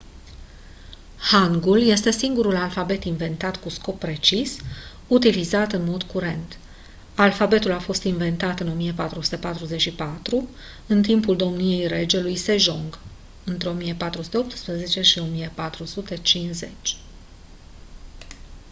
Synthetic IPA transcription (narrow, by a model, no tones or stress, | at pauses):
haŋɡulje̞st̪e̞siŋɡuɾulalfabe̞t̪inve̞nt̪at̪kusko̞pːɾe̞t͡ʃis | ut̪ilizat̪ɨnmo̞d̪kuɾe̞nt̪ | alfabe̞t̪ulafo̞st̪inve̞nt̪at̪ɨno̞mijepat̪ɾusu̥t̪e̞pat̪ɾuze̞t͡ʃʃipat̪ɾu | ɨnt̪impuld̪o̞mnije̞jɾe̞d͡ʒe̞lujse̞ʒo̞ŋɡ | ɨnt̪ɾe̞o̞mijepat̪ɾusut̪eo̞p̚t̪spɾeze̞t͡ʃe̞ʃio̞mijepat̪ɾusut̪e̞t͡ʃinze̞̰t͡ʃʲ